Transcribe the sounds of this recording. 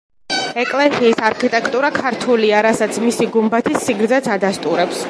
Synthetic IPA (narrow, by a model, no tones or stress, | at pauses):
ɛkʼlɛsiːsaɾkʰit̪ʼɛkʰt̪ʼuɾakʰaɾt̪ʰuliaɾasat̪sʰmisiɡumbat̪ʰisːiɡɾd̪zat̪sʰad̪ast̪ʼuɾɛps